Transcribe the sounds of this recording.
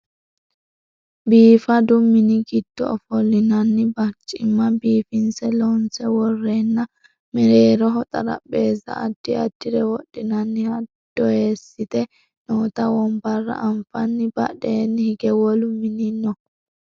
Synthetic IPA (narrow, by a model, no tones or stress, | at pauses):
biːfɐd̪ʊmːɪnɪɡɪd̪̥ːɔ̰ɔfɔlːɪnɐnːɪbɐt͡ʃʼːɪmːɐbiːfɪnsɛlɔnsɛwɔrːeːnːɐ | mɛɾeːɾɔɦɔt̪ʼɐɾɐ̰ɓeːzɐ̰ːd̪̥ːɪɐd̪̥ːɪɾɛwɔɗːɪnɐnːɪhɐd̪̥ːɔheːsːɪt̪ɛ | noːt̪ɐwɔmbɐrːɐ̰ʔɐɱfɐnːɪbɐ̰ɗeːnːɪhɪɡɛwɔlʊmɪniɪnːɔ